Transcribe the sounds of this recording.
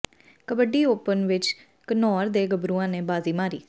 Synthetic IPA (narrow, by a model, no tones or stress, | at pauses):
kəbəɖiːoːpənʋɪt͡ʃ | kənɔːɾd̪eːɡəbɾuːãːneːbaːziːmaːɾiː